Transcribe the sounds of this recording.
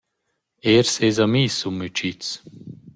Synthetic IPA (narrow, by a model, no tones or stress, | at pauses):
eɾsezamiːsumːyt͡ʃit͡s